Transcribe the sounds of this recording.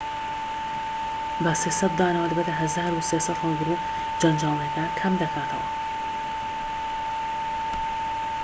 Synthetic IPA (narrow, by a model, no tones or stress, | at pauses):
bɐseːsɐt̪̚d̪aːnawad̪ɨbet̪aɦɐzaːɾuseːsɑt̪hɑlɡɨɾu | d͡ʒɐnd͡ʒaːlˠɐkɐkʰɐmd̪ɐkʰaːt̪ʰɐ̰wɐ̰